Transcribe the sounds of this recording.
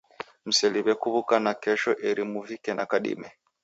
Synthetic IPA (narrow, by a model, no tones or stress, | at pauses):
m̩sɛliβɛkuβukanakɛʃɔʔɛɾimuvikɛnʔa̰kaɗḭmɛ